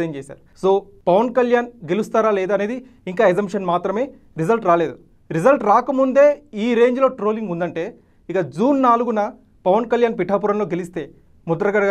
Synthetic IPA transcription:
ɐmt͡ʃeːsa̰ːɾusoː | pɐʋɐnkɐljaːnɡe̞lust̪aːɾaːleːd̪ɐneːd̪i | iŋkaːezɐmpʂɐnmaːt̪ɾɐme̞ː | ɾizɐlʈɾaːle̞ːd̪u | ɾizɐlʈɾaːkɐmund̪e̞ːiːɾe̞ːɲd͡ʒlo̞ːʈɾo̞ːliŋɡund̪ɐɳʈe̞ː | ikɐd͡ʒuːnːaːluɡunɐ | pɐʋɐnkɐljaːnpiʈʰːaːp̬uɾɐmloːɡe̞list̪e̞ː | mud̪ɐɾɐɡɐɽɐ

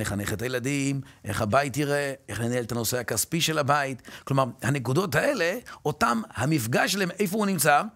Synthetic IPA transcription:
neχaneχet̪ajeladimʔeχhabajitiʁeeχlenaelet̪ano̞seakaspiʃe̞labaitklo̞maʁhanekudo̞thae̞le̞o̞tamhamifɡaʃelaeme̞jfounimt͡sa

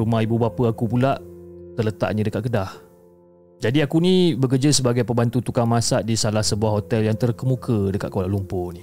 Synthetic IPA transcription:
rumãibubapəakupulaʔt̪ələt̪a̰ʔ̚ɲə̃dəkaʔ̪̚kədah | d͡ʒadiakunĩbək̬ərd͡ʒəsəbaɡajpəmbant̪ut̪ukaŋmasaʔdisalahsəbuaɦot̪ɛljaŋt̪ərkəmukʰədəkat̪̚koalalumpʊni

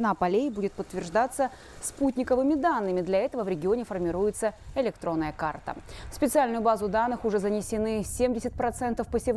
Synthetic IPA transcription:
napɐlʲejbudʲɪt̪̚pət̪ːvʲɪrʐd̪at̪sːə | sputʲnʲɪkəvɨmʲɪd̪anːɨmʲɪd̪lʲɐɛt̪əvəvɾʲɪɡʲɪonʲɪfərmʲɪɾujɪt̪səɪlʲɪkt̪ɾo̞nːəjəkart̪ə̰fspʲɪt̪sɨalʲnʊjʊbazʊd̪anːɨxʊʐɛzənʲɪsʲɪnɨsʲemdʲɪsʲɪt̪̚ʲpɾɐt̪sɛnt̪əfpəsʲɪv

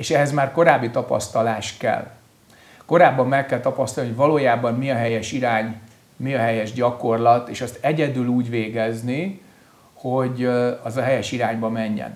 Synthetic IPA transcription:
eːʃɛɦɛzmaːrko̞ɾaːbːit̪ɒpɒ̰st̪ɒlaːʃkɛ̰l | ko̞ɾaːbːɒmːɛkːɛlt̪ɒpɒst̪ɔlniɦojvɒloːjaːbɒmmiɒɦɛjɛʃiɾaːɲ | miɒɦɛjɛʒɟɒko̞rlɒt̪eːʃɒst̪ɛɟɛd̪yluːɟʋeːɡɛzni | ho̞ɟɒzɒɦɛjɛʃiɾaːɲbɒmɛɲːɛ̰n

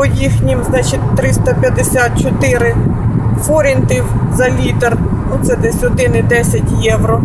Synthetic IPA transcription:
ɔjixnʲimznɑt͡ʃɪtʲt̪ɾɪst̪ɐpʲjɐd̪esʲat̪̚t͡ʃɔt̪ɪɾɪfɔɾʲɪnt̪iwzɐlʲit̪er | nut̪sɛd̪esʲɔt̪ɪnɪd̪ɛsʲɐtʲjɛwɾɔ

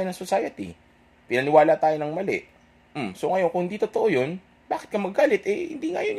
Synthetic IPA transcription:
jonɐŋsosaːjɐt̪ḭ | pɪnɐnɪwaːlat̪aːjonɐŋmɐlɛ̰ʔ | m̩msoŋɐjo̞nkʊŋhɪnd̪iːt̪ot̪oʔojo̞n | baːkɪt̪̚kɐmɐɡaːlɪt̪ʔɛhɪ̰nd̪iːŋa̰jon

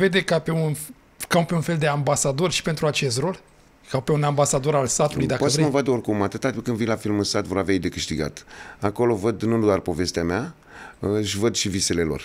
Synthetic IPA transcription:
ve̞d̪e̞kape̞un | kawpe̞unfe̞ld̪e̞ambasad̪o̞rʲʃi̥pe̞nt̪ɾuat͡ʃe̞st̪ɾo̞l | kawpe̞unambasad̪o̞ɾalsat̪ulujd̪akpoavsɾeməvad̪əorkumat̪ɨt̪ːat̪kɨnd̪vinlafilmɨnsat̪vo̞ɾaveajd̪e̞kɨʃt̪iɡa̰t̪ako̞lo̞vəd̪nud̪uarpo̞ve̞st̪eamea | ʃvəd̪ʃivise̞le̞lo̞̰r

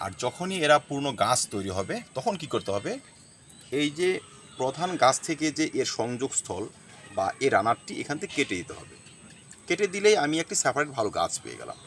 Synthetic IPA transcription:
a̰ɾd͡ʑɔkʰonieɾapuɾnoɡat͡ɕʰt̪ojɾiɦɔbet̪ɔkʰonkikoɾt̪eɦɔbe | ejd͡ʑe | pɾod̪ʱanɡãt͡ɕʰt̪ʰeked͡ʑeʔeɾʃɔŋd͡ʑoɡst̪ʰɔl | ba̰ʔeɾanaɾʈiʔḛkʰanet̪ʰeke̥keʈed̪it̪eɦɔ̰bḛ | keʈed̪ilejamiek̚ʈisɛpʰaɾeʈbʱaloɡa̰t͡ɕʰpḛḛɡɛ̰la̰m

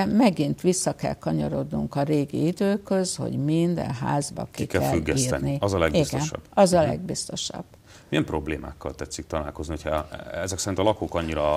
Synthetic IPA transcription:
mɛɡint̪ʋisːɒkɛ̰lkɒɲɒɾo̞d̪nuŋkɒɾeːɡḭid̪øːkøzho̞̰ɟmind̪ɛ̰nɦa̰ːzbɒ̰kikɛlɛflyɡːɛsiːɛ̰nniɒzɒlɛɡbistɡ̪oɛnʃɒ̰b̥ɒzɒlɛ̰ɡ̚bist̪o̞ʃɒ̰b̥ː | mijɛmpro̞bleːma̰ːkːɒlt̪ɛt̪sːik̚t̪ɒlaːlkoznihocʰhɛɛzɛksɛɾinɒlɒkoːkɒɲːiɾɒ

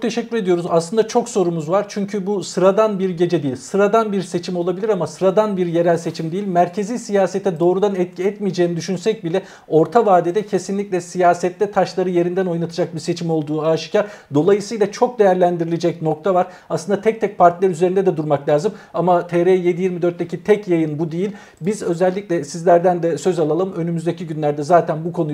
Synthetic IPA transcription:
t̪ʰe̞ʃɛcːyɾe̞d̪ijo̞ɾuzaslˠɯnd̪at͡ʃʰo̞kso̞ɾumuzvaɾt͡ʃʰyɲcʰybusɯɾad̪anbiɾɟe̞d͡ʒɛd̪ejilʲsɯɾad̪anbiɾse̞t͡ʃʰimo̞lˠabilʲiɾamasɯɾad̪anbiɾje̞ɾælʲse̞t͡ʃʰimd̪ejilʲmæɾcʰe̞ziːsijaːset̪ʰɛd̪o̞ːɾud̪anɛt̪̚cʰiɛt̪mijd͡ʒeːnid̪yʃynsɛc̚bilʲɛ | o̞ɾt̪ʰavaːd̪id̪ɛcʰe̞sinlʲicʲlʲɛsijaːsɛt̪lʲɛt̪ʰaʃlˠaɾɯje̞ɾind̪æno̞jnat̪ʰɯd͡ʒak̚biɾse̞t͡ʃʰimo̞lˠd̪uːaːʃɯ̥caɾd̪o̞lˠajɯsɯjlˠat͡ʃʰo̞k̚d̪e̞jæɾlʲænd̪iɾilʲed͡ʒɛcno̞k̚t̪ʰavaɾ̥ | aslɯnd̪at̪ʰɛc̚t̪ʰɛc̚pʰaɾt̪ʰilʲɛɾyzeɾind̪ɛd̪ɛd̪uɾmaklʲaːzɯmamat̪ʰeɾeje̞d̪ijiɾmid̪øɾt̪lːecit̪ʰɛcjajɯnbud̪ejilʲ | bizø̞zɛlʲːicʲlʲɛsizlʲæɾd̪ænd̪ɛsø̞zalˠalˠɯmø̞nymyzd̪e̞cʰiɟynlʲæɾd̪ɛzaːt̪ʰænbukʰo̞nu

